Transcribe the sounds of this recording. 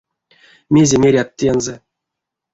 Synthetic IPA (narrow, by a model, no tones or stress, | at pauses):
mʲezʲemʲeɾʲat̪ʲːenzɛ